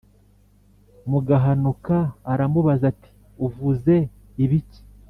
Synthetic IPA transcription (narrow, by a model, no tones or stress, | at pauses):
muɡaɦanukaːɾamuβazati̥ | uvuze̞ | iβici̥